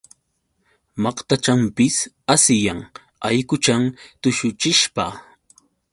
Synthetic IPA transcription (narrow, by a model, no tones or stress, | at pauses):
mɑqt̪at͡ʃampɪs | asɪjaŋ | a̰jkʊt͡ʃamt̪ʊʃʊt͡ʃɪʃpa